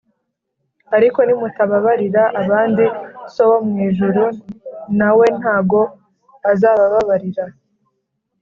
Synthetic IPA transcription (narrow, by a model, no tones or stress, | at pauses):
aɾiko̞nimutaβaβaɾiɾaʔaβaːndisowomŋiːʒuɾunawe̞n̥haːɡo̞ | azaβaβaβaɾiɾa